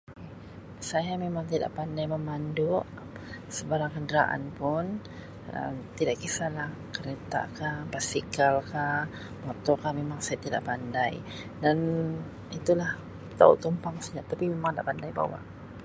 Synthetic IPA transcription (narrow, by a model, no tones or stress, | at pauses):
ke | sajamemaŋt̪ida̰ʔpandajməmanduʔ | səbaɾaŋkəndəɾaʔa̰npʊn | ə̰t̪idaʔkisalahkəɾet̪a̰kabasikalka | mɔt̪ɔkamemaŋsajat̪ida̰ʔpandaj | dan | it̪ulah | t̪a̰ṵʔt̪umpaŋsəd͡ʒaʔt̪ːapimemaŋdaʔpandajba̰wa̰ʔ